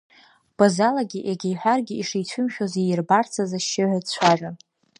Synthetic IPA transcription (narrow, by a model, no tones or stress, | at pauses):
b̥azalaɡʲiʔeɡʲejħʷᶣarɡʲiiʂijt͡ɕʷʰʊmʃʲᶣozijɪrbart͡sʰazaʃːɪʕʷat͡ɕʷʰaʒʷᶣa